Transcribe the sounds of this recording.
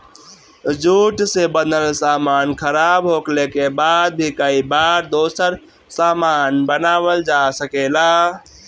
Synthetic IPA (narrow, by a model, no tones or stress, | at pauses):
d͡ʒuʈsebənəlsamankʰəɾabɦoklekebad̪̚bʱikəibaɾd̪osəɾ | samanbənaːʋəld͡ʒasəkela